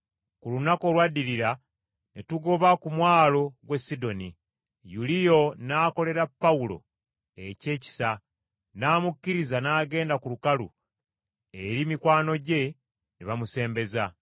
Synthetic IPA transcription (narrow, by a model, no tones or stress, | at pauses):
kulunako̞lwadːiɾiɾa | netuɡo̞βakumwaːlo̞ɡwe̞sido̞ni | julijo̞naːko̞le̞ɾapːaulo̞̰ | e̞ce̞ːci̥sa | naːmukːiɾizanaːɡe̞ːndakulukalṵ | eɾimikwaːno̞ɟe̞ | niβamuse̞ːmbe̞za